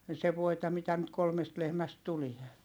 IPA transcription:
se ʋoitɑ mitæ nyt kolmest lehmæst tulie

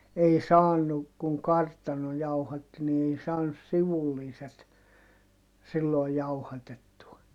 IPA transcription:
ei sɑːnu kuŋ kɑrtɑno jɑuhɑtːi ni ei sɑːnus siʋulːiːset silːoˑi̯ jɑuhɑtetːuɑ

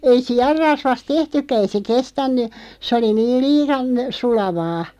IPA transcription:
ei siɑrːɑsʋɑst tehtykːæ ei se kestænːy sĕ oli niːl̆ liːɑn sulɑʋɑː

